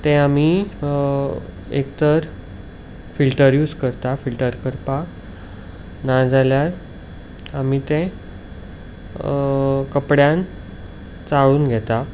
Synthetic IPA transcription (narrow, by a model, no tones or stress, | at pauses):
t̪ɛ̃ami | ḛkt̪əɾ | filʈəɾjuːskəɾt̪afilʈəɾkəɾpa | nad͡zaljaɾ | amit̪ɛ̃ | kəpɽjãn | t͡saɭuːnɡʱɛt̪a